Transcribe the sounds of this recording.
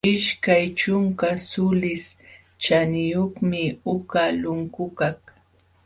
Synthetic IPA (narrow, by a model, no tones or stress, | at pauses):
ɪʃkajt͡ʃʊŋkasʊlɪs | t͡ʃanɪjoχmɪʊkalʊŋkʊkaχ